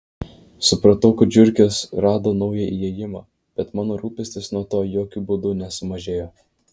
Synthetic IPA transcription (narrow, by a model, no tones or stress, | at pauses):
sʊpɾɐt̪ɐʊkɐd͡ʒʲʊɾʲkʲeːsɾɑːd̪oːnɒʊjɛʔiɛːjɪmɑː | b̥ʲɛt̪mɑːnoːɾuːpʲɪsʲt̪ʲɪsnuɔt̪oːjoːkʲuːbʊd̪ʊnʲɛsʊmɐʒʲeːjoː